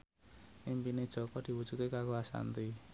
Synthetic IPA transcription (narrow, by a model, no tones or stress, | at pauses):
impine̥d͡ʒ̥ɔ̤kɔd̪̥i̤wu̥d͡ʒ̥ut̪̚kekakoasa̰nt̪i